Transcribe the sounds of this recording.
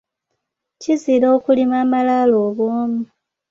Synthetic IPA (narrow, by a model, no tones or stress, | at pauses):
ciziɾoːkulimaːmalaloːβoːmu